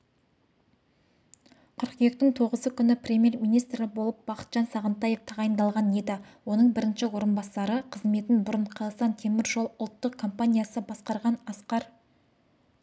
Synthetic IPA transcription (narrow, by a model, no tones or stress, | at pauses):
qʰʏɾqje̞k̚t̪ɪŋt̪ʰo̞ʁəzəkʲʰʏnɪprʲe̞mʲje̞rmijnijst̪ɾɪbo̞lˠəp̚b̥ɑqə̥t̪ʒ̥ɑnsɑʁənt̪ɑje̞ft̪ʰɑʁɑjənd̪ɑlˠʁɑne̞d̪ɪwo̞nəɴbɪɾɪnʃɪwo̞ɾənbɑsɑɾəqʰəzme̞t̪ɪnbʊɾəɴqʰɑlˠsɑnt̪ʰe̞mɪɾʒo̞lˠʊlˠt̪ːəqkʰo̞mpanʲijasəbɑsqɑɾʁɑnɑsqɑɾ